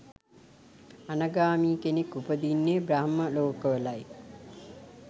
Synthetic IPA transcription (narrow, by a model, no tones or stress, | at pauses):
anəɡaːmiːkenekːupəd̪inːebɾaɦməloːkəʋəlaj